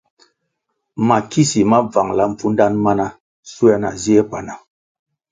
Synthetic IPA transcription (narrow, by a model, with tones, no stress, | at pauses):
ma˨ki˦si˨ma˦va˨ŋla˨ɱ̩˨fu˦nda˦nma˦na˦ | su˦a˦na̰˨zi˦e˦k͡pa˨na˨